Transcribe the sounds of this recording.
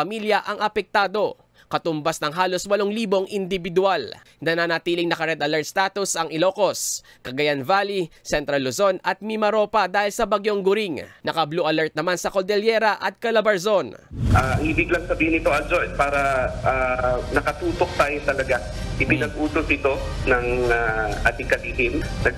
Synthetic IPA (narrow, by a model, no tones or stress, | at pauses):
ɐmiljɐʔɐŋɐpɛk̚t̪aːd̪o̞ | kɐt̪ʊmbasnɐŋɦaːlo̞swɐloŋliːbo̞ŋʔɪnd̪ɪbɪd̪ʊal | nɐnanɐt̪iːlɪŋnɐkɐɾɛd̪ɐlɛɹt̪̚st̪aːt̪ʊsɐŋɪlo̞ːko̞s | kɐɡɐjanvaːlisɛnt̪ɾɐlːozo̞nɐt̪̚mimɐɾo̞ːpɐd̪aːhɪlsɐbɐɡjoŋɡʊɾɪŋnɐkɐbluʔɐlɛɹt̪̚nɐmansɐkold̪ɛljɛːɾɐʔɐt̪̚kɐlɐbɐɹzo̞nʔaːʔiːbɪɡlɐŋsɐbiːhɪnɪt̪o̞ʔɐd͡ʒojd̚paːɾɐʔaːnɐkɐt̪uːt̪ok̚t̪aːjot̪ɐlɐɡa | ʔɪpɪnɐɡ̚ʔuːt̪osɪt̪o̞nɐŋaʔɐt̪ɪŋkɐdih̪ɪmnɐɡ